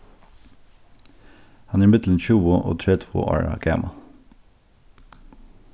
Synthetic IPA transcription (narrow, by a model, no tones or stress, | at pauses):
hɑnæːɹmɪd̪l̩n̩çʉːəʔo̰ːt̪ʰɹɛt̪ʋṵːʔɑ̰ːɹɑ̰ɡ̥æ̰ːmʔɑ